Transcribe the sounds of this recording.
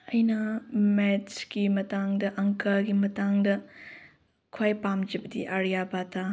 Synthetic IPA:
ɐjnɐmet͡ʃkimɐtaŋdɐʔɐŋkɐɾɡimɐtaŋdɐ | kʰwajpamd͡ʒɐbɐdḭʔaɾijabatʰa

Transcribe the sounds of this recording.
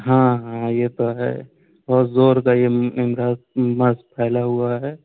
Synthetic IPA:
ɦãɦãjet̪oɦɛ̰ | bɔt̪zoːɾkajeɪmɾaːzməspʰɛːlaɦuaɦɛ

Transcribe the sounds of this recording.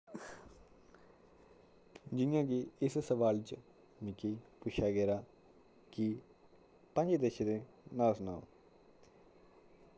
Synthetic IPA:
d͡ʒɪnjãːkiɪssəʋaːlt͡ʃ | mɪkiːpʊt͡ʃʃʰaːɡɛːɾaː | kɪ | pə̃ɲd͡ʒd̪eʃd̪eː | naːsnaoː

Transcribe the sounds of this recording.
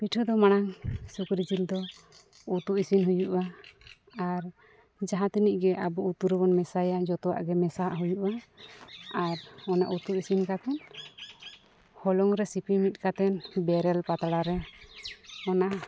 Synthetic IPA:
piʈʰud̪ɔmaɽ̃aŋsukɾid͡ʒild̪ɔ | ut̪uʔisinɦujuʔa | aɾ | d͡ʒaɦãt̪iniʔɡɛʔabɔut̪uɾɛbɔnmɛsajad͡ʒɔt̪ɔwa̰ʔɡɛmɛsaɦaʔɦujuʔa | aɾɔna̰ʔut̪uʔisinkat̪ʰɛn | hɔlɔŋɾɛsipʰimit̪̚ˀkat̪ʰɛnbɛɾɛlpat̪aɽaɾɛ | ɔnaʔ

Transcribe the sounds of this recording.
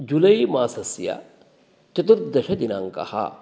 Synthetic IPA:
d͡ʒulɐjmaːsɐsjɐ̰ | t͡ʃɐt̪uɾd̪ɐʃɐd̪inaːŋkɐ̰hɐ̰

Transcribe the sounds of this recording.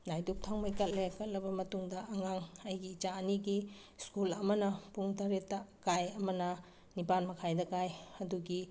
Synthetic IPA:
najdup̚tʰaŋmɐjkɐt̚lekɐt̚lɐbɐmɐtuŋdɐʔɐŋaŋɐjɡiːt͡ʃaɐniɡi | skulɐmɐnɐpuŋtaɾetːɐkajɐmɐnɐ | nipanmɐkʰajdɐkajɐduɡi

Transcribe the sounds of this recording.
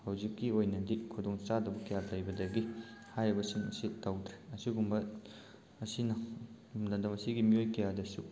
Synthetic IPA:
hɐwzikːiojnɐdikʰudoŋt͡ʃadɐbɐkɐjalɐjbɐdɐɡihajɾɐbɐsiŋɐ̰sitawdɾeɐsiɡumbɐː | sinɐ | dɐndɐmɐsiɡimiojkɐjadɐsu

